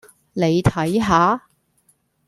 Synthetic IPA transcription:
ne˨˧jt̪ʰɐ˨˥jɦaː˨˥

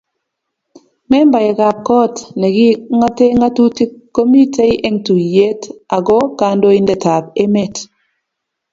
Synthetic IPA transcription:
mɛ˦mba˨jɛ˨ɡa˨p̚kɔ˦tnɛ˨ɡi˦ŋa˦te˦ŋa˦tu˦ti˦kːo˦mi˦te˦i˦ʔe˦ŋtu˨je˦ta˨ɡɔ˦ka˨˦ndo˦i˦ndɛ˨ta˨be˦me˦˨t

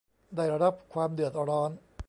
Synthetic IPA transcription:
daː˥˩jɾa˧da˦˥p̚kʰwaː˧mdɯ˨˩ət̪̚ɾɔː˦˥n

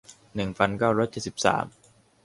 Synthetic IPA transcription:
nɯ˨˩ŋfʰa˦˥nkaː˥˩wɾɔː˦˥jt͡ɕe˨˩t̪̚si˨˩p̚sa̰ː˩˦m

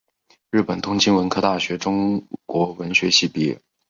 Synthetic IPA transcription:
ɻɻ̩˥˩pə˨˩nt̪ʰʊ˥ŋt͡ɕi˥nwə˧˥nkʰɤ˥˧t̪a˥˩ɕɥɛ˧˥ʈ͡ʂʊ˥ŋkwɔ˧˥wə˧˥nɕɥɛ˧˥ɕi˥˩pi˥˩˨

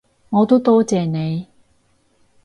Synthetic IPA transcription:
ŋɔː˨˧t̪o˥t̪ɔː˥t͡sɛː˨ne˨˧j

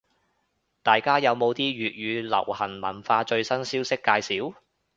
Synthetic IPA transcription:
t̪aː˨˩jkaː˥jɐ˨˧wmo˨˧wt̪iː˥ɥyː˨t̚jyː˨˧lɐ̰˨˩whɐ˨˩nmɐ̰˨˩nfaː˧t͡ʃɵ˧ɥsɐ˥nsiː˥wsɪ˥kːaː˧jsiː˨˥w

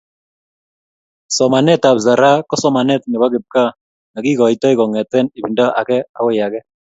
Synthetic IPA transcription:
sɔ˨ma˨nɛ˦ta˨bza˨ɾa˦kɔ˦sɔ˨˦ma˨nɛ˦t̪nɛ˨ba˦kɪ˨p̚ka˦ | na˨ki˦kɔ˨i˦tɔ˦i˦kɔ˨ŋɛ˨tɛ˦ni˨bi˨nda˦ʔa˨kɛ˦a˨kɔ˦ja˨kɛ˦

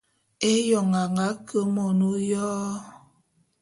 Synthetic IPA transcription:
e˦jɔ˨ŋa˨ŋa˨˦kə˦mɔ˨nu˦jɔː˦

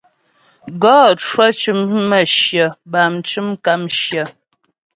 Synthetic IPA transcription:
ɡɔː˦t͡ʃwa˦t͡ʃɨ˦mː˦ə˦˨ʃjə˨ba˨mt͡ʃɨ˦mka˦mʃjə˨

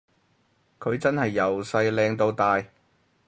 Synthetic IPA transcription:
kʰɵ˨˧ɥt͡sɐ˥nhɐ˨jːɐ˨wsɐ˧jlɛː˧ŋt̪o˧wt̪aː˨˧j

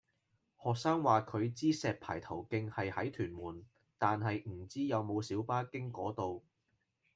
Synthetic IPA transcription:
hɔː˨k̚saː˥ŋwaː˨kʰɵ˨˧ɥt͡siː˥sɛː˨t̚pʰa̰ː˨˩jt̪ʰɐ˨˩wkɪ˧ŋhɐ˨jhɐ˨˥jt̪ʰyː˨˩nmuː˨˩n | t̪aː˨nɦɐ˨jm̩˨˩t͡siː˥jɐ˨˧wmo˨˧wsiː˨˥wpaː˥kɪ˥ŋkɔː˨˥t̪o˨w

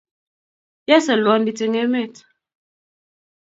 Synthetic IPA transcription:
jɛ˦sɛ˨lwɔ˨˦n˦di˨te˨ŋɛ˦mɛ˦˨t

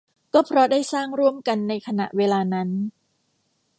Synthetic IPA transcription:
kɔː˥˩pʰɾɔ˦˥daː˥˩jsaː˥˩ŋɾu˥˩əmka˧nːa˧jkʰa˧na̰˨˩ʔweː˧laː˧na˦˥n

